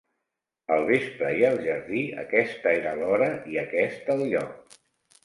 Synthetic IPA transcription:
əlˠβ̞espɾəiəlˠʒəɾðiə̰kɛst̪əeɾəlɔɾəiəkɛst̪əlˠʎɔk̚

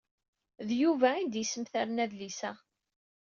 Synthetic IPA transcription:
ðjuvæind̪jəsːəmθæɾnæðlisæ

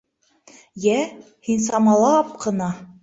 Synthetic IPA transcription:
jæ | hinsɑmɑlˠɑːp̚qɤ̆nɑ

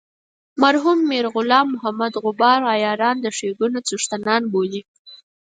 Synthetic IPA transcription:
maɾɦumːeɾɣʊlɑmːʊɦamad̪ɣʊbɑɾɑjɑɾɑnd̪əʂeɡunot͡suʂt̪anɑnboli

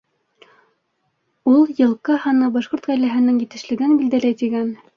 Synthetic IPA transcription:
ulˠjɤ̆lˠqɑhɑnɤbɑʃqoɾt̪ʁæjlːæɦɘ̆nɘŋjɘ̆t̪ɘ̆ʃlɘ̆ɡɘŋbild̪ælæjt̪iɡæn

